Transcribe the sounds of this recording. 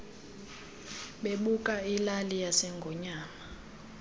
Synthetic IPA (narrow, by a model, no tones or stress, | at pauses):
ɓeɓukʼailalijasɛŋɡʱɔɲaːma